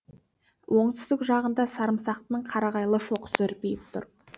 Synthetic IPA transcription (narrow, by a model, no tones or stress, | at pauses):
wʔo̞ɴt̪ʏzd̪ɪkʒɑʁənd̪ɑsɑɾəmsɑqt̪ənəɴqʰɑɾɑʁɑjlˠəʃo̞qʰsəɪɾpejɪp̚t̪ʰʊ̰ɾ